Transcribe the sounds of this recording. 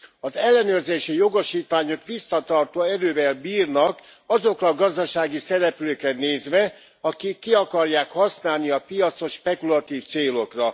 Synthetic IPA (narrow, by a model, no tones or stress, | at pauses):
ɒzɛlːɛnøːrzeːʃijo̞ɡo̞ʃiːt̪ʋaːɲo̞kʋisːɒt̪ɒrt̪oːɛɾøːvɛlbiːrnɒk | ɒzo̞krɒɡɒzd̪ɒʃaːɡisɛɾɛpløːkrɛneːzʋɛ | ɒkikːiɒkɒrjaːkhɒsnaːlniɒpijɒt̪so̞ʃːpɛkulɒt̪iːft̪seːlo̞krɒ